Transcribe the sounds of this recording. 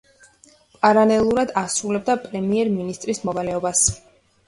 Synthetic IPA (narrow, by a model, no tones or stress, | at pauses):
pʼaɾalɛlˠuɾad̪asɾulɛb̚d̪apʼɾɛmiɛɾminist̪ʼɾismɔvalɛɔbas